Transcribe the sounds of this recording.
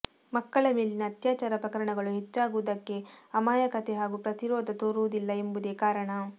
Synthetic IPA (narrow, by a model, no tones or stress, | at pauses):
mɐkːɐɭɐmeːlinɐːt̪jaːt͡ʃaːɾɐpɾɐkɐɾɐɳɐɡɐɭuɦet͡ʃːaːɡuʋd̪ɐkːe̞ɐmaːjɐkɐt̪e̞ɦaːɡupɾɐt̪iɾɔːd̪ʱɐt̪oːɾuʋud̪ilːɐembud̪eːkaːɾɐɳɐ